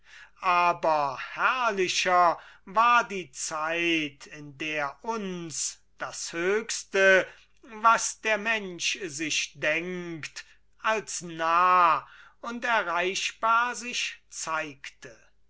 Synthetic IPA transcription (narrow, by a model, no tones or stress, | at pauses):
ʔaːbɐhæɐlɪʃɐvaːɐdiːt͡saɪtʰɪndeːɐʔʊns | d̥ashøːkstə | vasd̥eːɐmɛnʃzɪʃd̥ɛŋkt | alsnaː | ʊntɛɐʁaɪʃb̥aːɐzɪʃt͡saɪktʰə